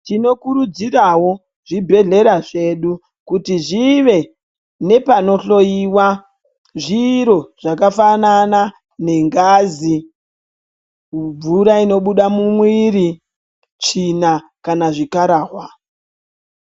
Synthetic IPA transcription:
tino̞kuɾud͡ziɾawo̞ | ʐibʱe̞ɮe̞ɾaʐe̞ɗu | kutiʐiʋe̞ | ne̞pano̞ɬo̞jiːwa | ʐiɾo̞ʐ̥akafanana | ne̞ŋɡaːzi | b͡vuɾaino̞ɓuɗamumwiɾi | t͡ʃina | kanaʐikaɾaːɦwa

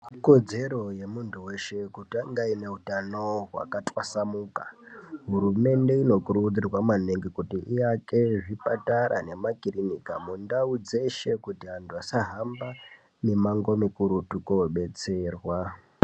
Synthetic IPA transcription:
ko̞d͡ze̞ɾo̞je̞muntʰuwe̞ʃe̞kutaŋɡaine̞ɦutano̞ɦwa̰katʼwasamuːkaɦuɾume̞nde̞ino̞kuɾud͡zirwamaneŋɡikutiʔijake̞ʐipataɾa̰ne̞makirinika̰mundaud͡ze̞ʃe̞kutiɦantʰuasaɦamba | ne̞maŋɡo̞mikuɾutukowoɓe̞t͡se̞ːrwa

